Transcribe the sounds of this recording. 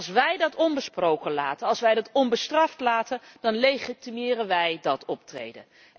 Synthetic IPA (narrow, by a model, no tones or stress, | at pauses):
sʋɛjdɑtɔnbəsprowkəla̰ːtənɑlˠsʋɛjdɑtɔnbəstrɑftlaːtəndɑnlejχitimɪːrənʋɛjdɑtʰɔp̚trḛjdə̰n